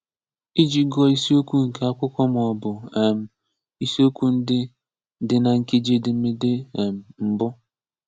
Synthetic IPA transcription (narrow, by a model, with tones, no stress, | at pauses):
i˦d͡ʒi˦ɡɔ˦i˦si˦o˦kʷu˦ŋ̩˨ke˦a˦kʷʊ˦kʷɔ˦m˨ɔ˨bʊ˨e˨m̩˨ | i˦si˦o˦kʷu˦n̩˦dɪ˦ | dɪ˦na˨ŋ̩˨ki˦d͡ʒe˦dɪ˨˦mɪ˦dɪ˦e˨m̩˨m̩˨bʊ˦